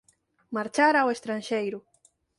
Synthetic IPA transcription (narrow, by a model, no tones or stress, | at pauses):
maɾt͡ʃaɾawest̪ɾanʃejɾʊ